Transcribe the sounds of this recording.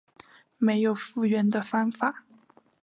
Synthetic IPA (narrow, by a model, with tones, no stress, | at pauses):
me˧˥ɪjo˨˩ʊfu˥˩ɥɛ˧˥nd̪ə˧fɑ˥ŋfa˨˩˦